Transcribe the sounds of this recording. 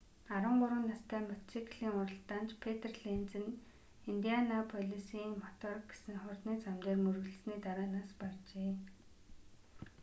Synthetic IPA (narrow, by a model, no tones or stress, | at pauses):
aɾwə̆ɴɢʊɾwə̆nːast̪ʰæːmasikʰɮiːŋʊɾə̆ɬt̪aːnt͡ɕpʰet̪erɮent͡sɘ̆n | int̪ianapʰɔɮisiːŋmɔt̪ɔrkɡe̥sɘ̆ŋχʊrt̪niːt͡samt͡ɕ̪eːrmɵrɣ̆ɮɘ̆sniːt̪aɾaːnaːspart͡ɕeː